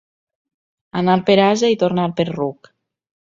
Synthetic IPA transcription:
analpeɾazait̪oɾnaɾpeɾruk

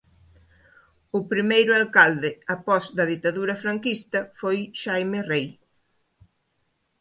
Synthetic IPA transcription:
ʊpɾimejɾʊalkald̪ɪapɔzðɐð̞it̪aðuɾɐfɾaŋkist̪ɐfojʃajmerej

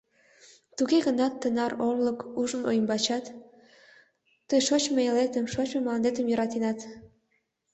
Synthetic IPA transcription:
t̪uɣeɣənɑt̪ːənɑɾolləkuʒəno̰jəmbɑt͡ɕɑt̪ | əjʃot͡ɕmeelet̪əmʃot͡ɕmeməlɑnd̪et̪əmjøɾɑt̪inɑt̪

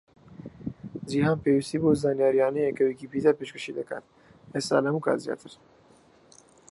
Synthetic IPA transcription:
zihaːnpeːwist̪iːboːzaːnjaːɾijaːnɛjɛkɐwekipid̪aːpeːʃkəʃid̪ɐkʰa̰ːt̪ | est̪a̰ːlhɐmuːkʰa̰ːt̪zja̰ːt̪ʰɨɾ

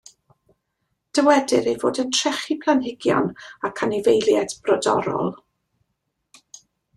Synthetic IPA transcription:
d̥əwɛdɪɾejvoːdəntʰrɛχipʰlˠanɦɪɡjɔ̰nakʰanivejlˠjɛdb̥rɔdɔ̰ɾɔ̰lˠ

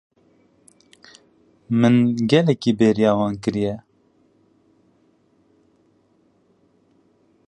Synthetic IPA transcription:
mɨnɡɛlɛkiːbeːɾijɑːwɑːnkɨɾijɛ

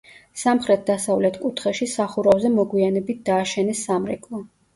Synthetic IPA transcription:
samχɾɛt̪̚ʰd̪asavlɛt̪ʰkʼut̪ʰχɛʃisaχuɾavzɛmɔɡwianɛbit̪̚d̪̥aːʃɛnɛsːamɾɛkʼlˠɔ

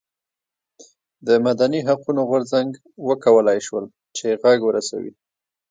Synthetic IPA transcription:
d̪əmad̪aniɦaqunoɣʊɾzaŋɡ | wəkawəlajʃwəl | t͡ʃeɣaɡwəɾasa̰wḭ

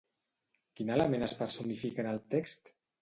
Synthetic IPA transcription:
kinaləmenəspəɾsunifikənəlˠt̪ekst̪

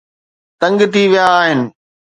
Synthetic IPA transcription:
t̪ɐ̃ŋɡt̪ʰiʋijaːɦɪnɪ̆

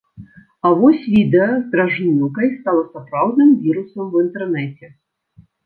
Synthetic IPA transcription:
avɔsʲvʲid̪ɛɐzd̪ɾaʐnʲuw̪kɐjst̪alˠɐsapɾawd̪nɨmvʲiɾusɐmvint̪ɛrnɛt͡sʲɛ

